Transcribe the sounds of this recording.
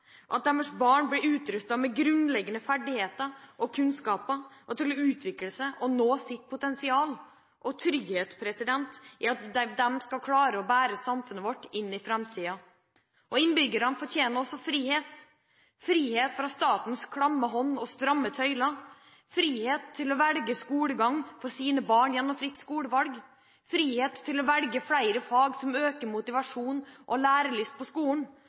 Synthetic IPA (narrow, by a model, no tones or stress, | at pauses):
ʔɑt̪̚d̪ɛməʂbɑːɳblɪɾʉːt̪ɾʉst̪ɑmɛɡɾʉnlɛɡːənəfæɖɪheːt̪əɾʔɔkʰʉnskɑːpəʔɔt̪ʰɪlɔʉːt̪ʰʋɪkləsæʔɔnoːsɪt̪̚pʰʊt̪ɛnsɪɑːl | ʔɔt̪ʰɾʏɡheːt̪spʰɾɛsɪd̪ɛnt̪ʔɪɑt̪d̪ɛd̪ɛmskɑlkʰlɑːɾəɔbæːɾəsɑmfʉnːəʋɔʈːɪnːɪfɾɛmt̪ʰiːɑ | ʔɔɪnbʏɡːəɾɑnfɔʈ̪ʰjeːnəɾɔsːɔfɾiːheːt̪ | fɾiːheːt̪fɾɑst̪ɑːt̪n̩skʰɽɑmːəɦɔnːɔst̪ɾɑmːət̪ʰœʏlɑ | fɾiːheːt̪ʰːɪlɔʋɛlɡəskuːɽəɡɑŋfɔɾsiːnəbɑːɳjɛnːɔmfɾɪt̪ːskuːləʋɑlɡ | fɾiːheːt̪ʰːɪlɔʋɛlɡəfɽæɪɾəfɑːɡsɔmøːkəɾmʊt̪ɪʋɑʂuːnʔɔlæːɾəɭʏst̪̚pʰɔskuːn̩